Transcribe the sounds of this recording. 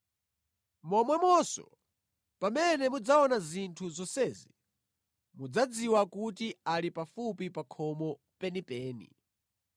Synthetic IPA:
mɔmwɛmɔsɔ̰ | pamɛnɛmud͡zaɔnazintʰuzɔsɛːzi | mud͡zad͡ziwakutialipafupipakʰɔmɔ | pɛnipɛːnḭ

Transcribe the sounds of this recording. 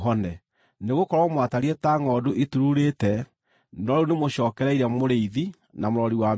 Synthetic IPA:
ɦɔnɛ | neɣokɔɾwɔmwataɾiɛtaːŋɔduʔetuɾuɾetɛ | nɔɾunemoɕɔːkɛɾɛiɾɛmoɾeiði | namoɾɔɾiwa

